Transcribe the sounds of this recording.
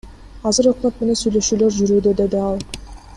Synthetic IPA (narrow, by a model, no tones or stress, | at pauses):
ɑzɯɾoqlot̪̚mene̞nsyjlø̞ʃyːlø̞ɾd͡ʒyɾyːd̪ed̪e̞d̪iɑlˠ